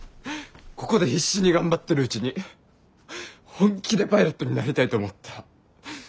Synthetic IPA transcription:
ko̞ko̞d̪e̞çiɕːiɲ̟iɡãmbat̪ːe̞ɾɯ̟ɯ̟t͡ɕiɲ̟i | hõ̞ŋkʲid̪e̞paiɾot̪ːo̞ɲ̟inaɾʲit̪ait̪o̞ːmo̞t̪ʰːḁ

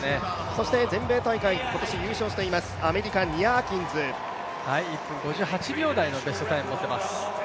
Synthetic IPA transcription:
ne | so̞ɕi̥t̪e̞zẽ̞mbe̞ːt̪aikaiko̞t̪o̞ɕijɯ̟ːɕo̞ːɕi̥t̪e̞imasɨ̥ame̞ɾʲika̟iakʲĩnd͡zɨ | haiːpːɯ̟̃ŋɡo̞ʑɨːhat͡ɕibʲo̞ːd̪aino̞be̞sɨ̥t̪o̞t̪aĩmːot̪ːemasɨ̥

